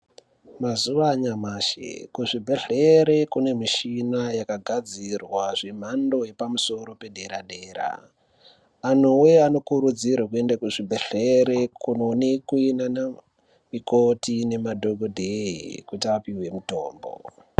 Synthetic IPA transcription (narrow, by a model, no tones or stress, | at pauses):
mazuʋaɲamaːʃḛkuʐibʱe̞ɮe̞ɾe̞kune̞miʃinajakaɡʱad͡zirwaʐem̤ando̞je̞pamuso̞ɾo̞pe̞ɗe̞ɾaɗe̞ːɾa̰ | n̤uweano̞kuɾud͡zirwak̬ue̞ndakuʐibʱeɮeɾekunonekuinana | mikotine̞madʱoɡʱodʱeikutiapiwe̞muto̞̰ːmbo̰